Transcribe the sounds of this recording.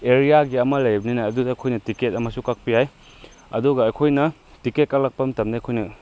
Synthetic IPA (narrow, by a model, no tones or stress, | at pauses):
eɾijaɡiɐmɐlɐjbɐninaɐdudaːkʰojnɐtiket̚ɐmɐsukak̚pijaj | ɐ̰duɡɐːjkʰojnɐ | tiket̚kak̚lak̚pɐmtɐmnikʰojnɐ